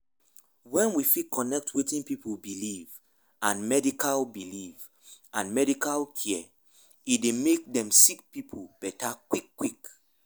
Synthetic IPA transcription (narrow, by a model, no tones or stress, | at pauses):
wɛ̃nwifikɔnɛk̚twetĩnpipʰulbiliv | ãnmɛdikʰalbiliv | ãnmɛdikalkʰɛ | idemek̚dɛ̃msik̚pipʰolb̥ɛtakwikːwik